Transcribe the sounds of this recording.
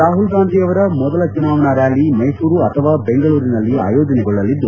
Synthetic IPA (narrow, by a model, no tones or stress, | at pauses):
ɾaːɦulɡaːnd̪ijɐʋɐɾɐmɔd̪ɐlɐt͡ʃunaːʋɐnɐɾjaːlimɐjsuːɾuɐt̪ʰɐʋaːbe̞ŋɡɐɭuːɾinɐlːia̰ːjo̞ːd͡ʒɐnɛɡɔɭːɐlːid̪ːu